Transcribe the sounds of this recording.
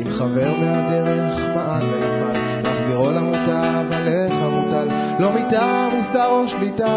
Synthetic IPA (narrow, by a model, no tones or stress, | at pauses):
imχave̞ʁmead̪eʁeχmaʔalbeamaj | laχziʁolamutavalefamutal | lo̞mit̪amusd̪aʁoʃlita